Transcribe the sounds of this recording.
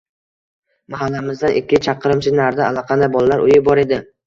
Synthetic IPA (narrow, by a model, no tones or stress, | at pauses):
maɦalːamɪzd̪anʔɪkʲːɪt͡ʃʰɑqʰːɨɾɪmt͡ʃʰɪnaɾd̪aa̰lˠɒqʰɑnabɒlˠalaɾʔʊjɪbɒɾe̞d̪ɪ